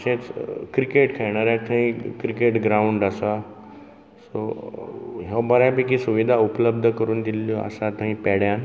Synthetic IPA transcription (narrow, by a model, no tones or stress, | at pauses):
sẽt͡skɾikeʈkʰajɽ̃aɾat̪ʰãɦĩkɾikeʈɡɾauɳɖasa | so | ɦebəɾabikisuʋid̪ʱaupləb̚d̪ʱəkəɾuːnd̪ilːjoa̰sat̪ãɦĩpɛɽjan